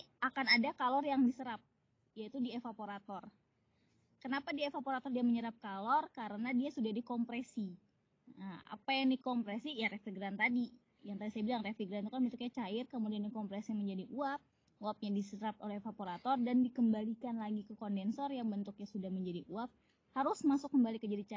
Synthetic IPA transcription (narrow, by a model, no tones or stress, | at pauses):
akanadakalɔrjaŋdisəɾap̚ | jait̪udiefapoɾat̪ɔr | kənapadiefapoɾat̪ɔrdiaməɲəɾap̚kalɔrkaɾənadiasudahdikɔmpɾesi | əma̰pajaŋdikɔmpɾesijaɾefiɡɾant̪adi | jaŋt̪adisajabilaŋrefiɡɾant̪ukanbənt̪ʊk̚ɲat͡ʃaɪrkəmudianikɔmpɾɛsiaməɲd͡ʒadiʔuap̚ | uap̚ɲadisəɾap̚olɛhfapoɾat̪ɔrdandikəmbalikanlaɡikəkɔndɛnsɔrjaŋbənt̪ʊk̚ɲasudahməɲd͡ʒadiʔuap̚ | haɾʊsmasʊkːəmbalikəd͡ʒadit͡ʃa